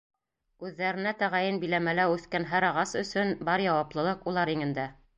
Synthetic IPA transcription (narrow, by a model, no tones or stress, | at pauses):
ʉðːæɾɘ̆næt̪æʁæjɘnbĭlæmælæʉθkænɦæɾɑʁɑsɵ̆sɵnbɑɾjɑwɑplˠɤ̆lˠɤqulˠɑɾiŋɘ̆nd̪æ